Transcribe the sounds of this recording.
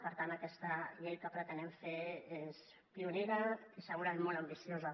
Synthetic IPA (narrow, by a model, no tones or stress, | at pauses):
pəɾt̪ant̪əkɛst̪əʎejkəpɾət̪ənɛmfees | piuneɾəisəɣuɾaezmolɐmbisjozə